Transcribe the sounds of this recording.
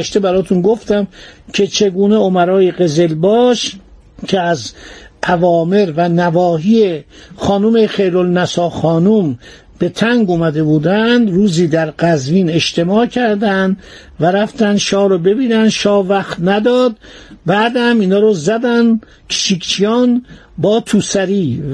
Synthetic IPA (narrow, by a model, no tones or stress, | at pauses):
æʃt̪ebæɾɒːt̪ʰunɡoft̪æmcʰe̞t͡ʃʰe̞ɡuːne̞omæɾɒːjeɣe̞ze̞lbɒːʃ | cʰeæzʔævɒːme̞ɾvænævɒːɦiːe | xɒːnumeχejɾolnæsɒːxɒːnum | b̥e̞t̪ʰæŋɡumæd̪e̞buːd̪ænd̪ruːziːd̪æɾɡæzviːne̞ʃt̪e̞mɒːcʰæɾd̪ænd̪ | væɾæft̪ænd̪ʃɒːɾobe̞biːnænd̪ʃɒːvæxt̪næd̪ɒːd̪̚ | bæːd̪hæmiːnhɒːɾɔzæd̪æn | kʰe̥ʃiːkt͡ʃʰijɒːnbɒːt̪ʰuːsæɾiː